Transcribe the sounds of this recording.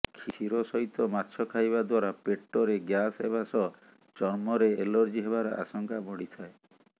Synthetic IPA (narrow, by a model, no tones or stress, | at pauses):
kʰiʃiɾɔsɔɦit̪ɔmatːt͡ʃʰɔkʰajbad̪waɾapeʈːɔɾeɡjasebasɔ | t͡ʃɔɾmɔɾeelɔɾd͡ʒiɦebaɾɔ̰ʔa̰sɔŋkabɔɽit̪ʰae